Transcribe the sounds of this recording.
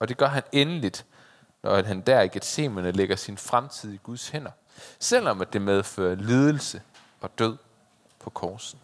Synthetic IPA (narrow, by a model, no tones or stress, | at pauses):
ɒ̽d̥e̝ɡ̥ɶɐɦænenəlid̥ | nʔɒæ̥ɦænd̥æɐ̰iɡ̥ed̥se̝̰ːmɐnəleɡ̥ɐsinfʁamt͡sʰið̞̰ˠiɡ̥uð̞ˠshen̰ɐ | sel̰ɒ̽mæd̥e̝með̞ˠfø̰ːɐliːð̞ˠəl̩sə | ɒ̽d̥øð̞̰ˠ | pʰɒ̽kʰɒːsn̩